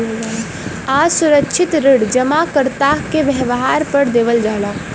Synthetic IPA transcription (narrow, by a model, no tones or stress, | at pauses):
asuɾəkt͡ʃʰɪt̪ɾeɽd͡ʒəmakəɾt̪akeʋəɦʋəɦaɾpəɾd̪eːʋəld͡ʒaːɦla